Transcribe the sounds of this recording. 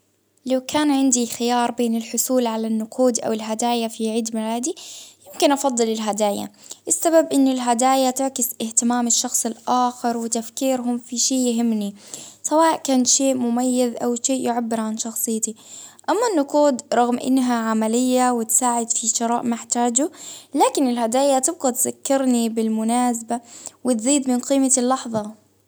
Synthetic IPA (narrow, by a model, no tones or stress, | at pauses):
lawkʰaːnʕɪnd̪ixɪjɑːɾˤbeːnɪlħʊsuːlʕalanːʊqʰuːd̪ʔa̰wɪlɦad̪aːjafiʕiːd̪mɪlaːd̪ijɪmkɪnʔɑfɑd̪ˤːɨlɪlɦad̪aːja̰ʔɪsːababʔɪnːʊlɦad̪aːjat̪ɪʕkɪsʔɪht̪ɪmaːmɪʃːɑxsˤɪlʔaːxɑɾˤwɪt̪afkiːɾɦʊmfiʃeːʔjɪɦɪmːnisawaːʔkaːnʃeːʔmʊmajːazʔawʃeːʔjɪʕabːɪɾʕanʃɑxsˤɨjːt̪iʔamːanːʊquːd̪ɾˤɑɣmʔɪ̰nːɦaʕamalɪjːawɪt̪saːʕɪd̪fiʃɪɾˤɑ̰ːʔmɪħt̪aːd͡ʒulaːkɪnɪlhad̪aːjat̪ɪb̚ɣat̪zakːɪɾnibɪlmʊnaːs̬abawɪt̪ziːd̪mɪnqiːmalːɑħðˤɑ